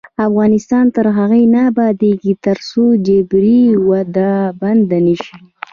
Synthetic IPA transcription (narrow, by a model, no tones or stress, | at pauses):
afɣɑnɪst̪ɑnt̪əɾɦaɣajnabɑd̪eɡit̪əɾsod͡ʒebɾiwad̪aband̪anəʃi